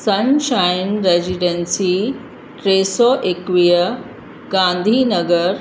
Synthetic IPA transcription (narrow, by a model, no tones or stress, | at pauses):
sɐnʃajnɾeziɖensi | ʈɾeːsɔːʔekʋijə | ɡãːnd̪ʱinɐɡəɾ